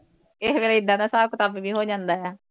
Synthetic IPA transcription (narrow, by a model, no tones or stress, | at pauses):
ɪsʋeːleːɪd̪ːãːnãːsaːkʊt̪aːbbiːɦoːd͡ʒãːnd̪aːjɛː